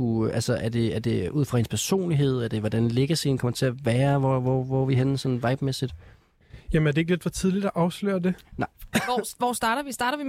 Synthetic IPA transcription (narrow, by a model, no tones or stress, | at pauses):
uʔælsəʔæɐd̥e̝æɐd̥e̝ʔuð̰ˠfʁɑ̈he̝nspʰæɐso̝̰ːnliɦe̝ð̞̰ˠæɐd̥e̝ʋɒd̥ænleɡ̥ɐsenkʰɒ̽mɐt͡sʰe̝æʋæːɐʋɒʋɒʋɒʋiɦensɒ̽nn̩ʋɑ̈ɪb̥mesid̥ | jæmənæɐd̥e̝eɡ̥le̝d̥fɒ̽t͡sʰið̞ˠlid̥æʔɑ̈ʊslø̰ːɐd̥e̝nɑ̈ɪ̰ʋɒːsd̥ɑ̈ːɾɐʋisd̥ɑ̈ːɾɐʋi